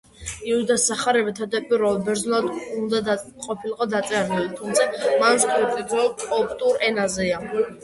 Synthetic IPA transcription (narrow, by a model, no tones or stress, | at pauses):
iuid̪asaχaɾɛbɛt̪ʰad̪apʼiɾɔlbɛɾzlad̪und̪a | qʼɔpʰiliqʼɔd̪at̪sʼɛaɾnɛlit̪ʰumt̪sʰamanst̪ʰʼɔt̪ʼid̪ɾɔlɔpʰt̪ʼuɾɛnazɛa